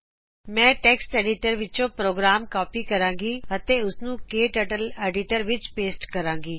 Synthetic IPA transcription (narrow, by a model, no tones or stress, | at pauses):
mɛ̃ːʈeːksʈeːɖɪʈəɾʋɪt͡ʃõpɾoːɡɾaːmkɔːpikɐɾãːŋɡiɦɐt̪eʊsnũkeːʈəʈəleːɖɪʈəɾʋɪt͡ʃpeːsʈkɐɾãːŋɡiː